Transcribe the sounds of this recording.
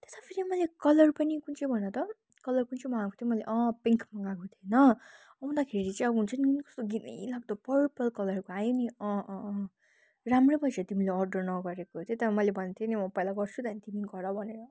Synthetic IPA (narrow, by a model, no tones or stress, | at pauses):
t̪e̥sapʰiɾimʌlekʌlʌrpʌnikunt͡sʌbʱʌnʌt̪ʌ | kʌlʌrkunt͡sʰʌmʌ̃ɦãkot̪ʰjomʌleʔʌ̃peŋkʰmʌŋɡakot̪ʰjenʌ | ʌũnd̪akʰeɾilit͡saĩʌbuɦunt͡sʰʌninikʌ̥st̪oɡit̪ḛjlaɡ̚d̪opʌɾpʌlkʌlʌrkoajoniʌ̃ | ramrebʌsat̪imileʌrɖʌrnʌɡʌɾekot̪ʰet̪amʌlebʱʌnt̪ʰjenimʌpʌjlaɡʌrt͡sʰut̪anit̪imiɡʌdʌbʱʌneɾʌ